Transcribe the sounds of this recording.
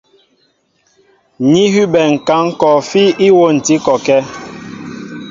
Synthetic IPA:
ɲi˦ɦy˦bɛ˨ŋ̩˨ka˨˦ŋ˦kɔ˨fi˦i˦wo˦˨n̩˨ti˦kɔ˨kɛ˦

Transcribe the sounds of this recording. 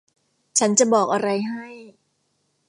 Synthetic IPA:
t͡ɕʰa˦˥nt͡ɕa˨˩bɔː˨˩k̚ʔa˧ɾa˧jɦa˥˩j

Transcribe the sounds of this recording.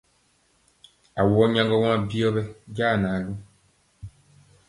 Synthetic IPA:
a˨wɔ˦ɲã˦ŋɡɔ˦wã˦bi˦ɔ˦bɛ˦ɟaː˦˨naː˨ɡu˦

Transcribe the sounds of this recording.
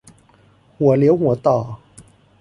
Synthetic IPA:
wɔ˨˩ljɔ˧˥˦ʊwɔ˨˩t̪ɑ˨˩˦

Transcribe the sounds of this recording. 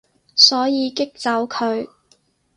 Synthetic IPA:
sɔː˨˥jiː˨˧kɪ˥k̚t͡sɐ˨˥wkʰɵ˨˧ɥ

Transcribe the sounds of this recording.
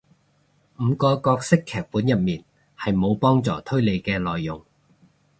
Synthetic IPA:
m̩˨˧kɔː˧kɔː˧k̚sɪ˥kʰːɛː˨k̚puː˨˥njɐ˨t̚miː˨n | hɐ˨jmo˨˧wpɔː˥ŋt͡sɔː˨t̪ʰɵ˥ɥle˨˧jkɛː˧lɔː˨jːʊ˨˩ŋ

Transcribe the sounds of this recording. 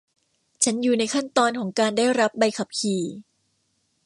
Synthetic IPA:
t͡ɕʰa˦˥njuː˨˩na˧jkʰa˥˩nt̪ɔː˧nkʰɔː˩˦ŋkaː˧ndaː˥˩jɾa˦˥p̚ba˧jkʰa˨˩p̚kʰiː˨˩

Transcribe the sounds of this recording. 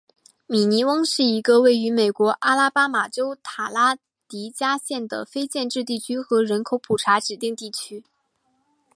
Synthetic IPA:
mi˨˩ni˧˥wɤ˥ŋʂɻ̩˥˩i˧˥ɡə˧we˥˩ɪy˧˥me˨˩ɪkwɔ˧˥ʔa˥la˥pa˥ma˨˩ʈ͡ʂo˥ʊt̪ʰa˨˩la˥ | t̪i˧˥t͡ɕja˥ɕjɛ˥˩nd̪ə̰˩fe˥ɪt͡ɕjɛ˥˧nʈ͡ʂɻ̩˥˧t̪̬i˥˩t͡ɕʰy˥xɤ˧˥ɻə˧˥nkʰo˧˥ʊpʰu˨˩ʈ͡ʂʰa˧˥ʈ͡ʂɻ̩˨˩t̪i˥˧ŋt̪i˥˩t͡ɕʰy˥

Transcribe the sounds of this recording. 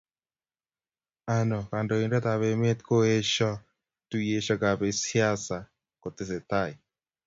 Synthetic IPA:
a˨nɔ˨ka˨ndo˨i˨nda˦t̪a˨βe˨me˦t̪ko˦he˦ʃɔ˦ | tu˨je˨ʃa˨ka˨βe˨si˦a˦sa˨ | ko˨te˨se˨t̪a˦˨i˨

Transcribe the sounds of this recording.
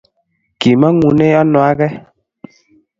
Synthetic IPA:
ki˨ma˦ŋu˨ne˦ɔ˦nɔ˨a˦ɣɛ˦

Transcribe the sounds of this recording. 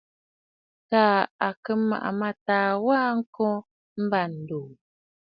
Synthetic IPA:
taː˦a˨kə˦ma̰˨ʔa̰˨ma˦taː˨waː˦ŋ̩˦kɔ̃˦ | m̩˦ba˦˨n̩˨duː˨

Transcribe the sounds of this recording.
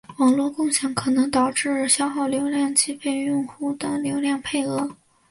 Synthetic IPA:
wɑ˨˩ŋlwɔ˥˧kʊ˥˧ŋɕjɑ˧˥ŋkʰɤ˨˩nɤ˧˥ŋt̪ɑ˨˩ʊʈ͡ʂɻ̩˥˩ɕjɑ˥ʊxɑ˥˩ʊljo˧˥ʊljɑ˥˩ŋt͡ɕi˥fe˥˧ɪʊ˥˧ŋxu˥˩d̪ə˩ljo˧˥ʊljɑ˥˧ŋpʰe˥˩ɪɤ˧˥

